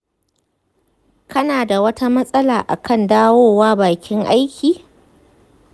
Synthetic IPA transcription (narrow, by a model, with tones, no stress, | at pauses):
kʰɐ˦naː˨da˨wɐ˦ta˦mɐ˦sʼɐ˦laː˨ʔa̰˨kʰɐ˦˨ndaː˦woː˦waː˦baː˨kʲɪ˦ŋʔa˦jkʲʰiː˨